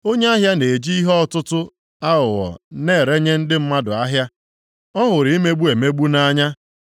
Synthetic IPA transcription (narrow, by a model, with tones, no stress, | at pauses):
o˦ɲe˦a˦ɦja˦ne˨e˨d͡ʒi˦i˦ɦɔ˦tʊ˦tʊ˦ | a˦ʊ˨wɔ̰˨ne˦˨ɾe˦ɲe˦n̩˦dɪ˦m̩˦ma˦dʊ˨a˦ɦja˦ | ɔ˦ɦʊ˨ɾɪ˨i˦me˦ɡ͡bu˦e˨me˦ɡ͡bu˦na˦ɲa˦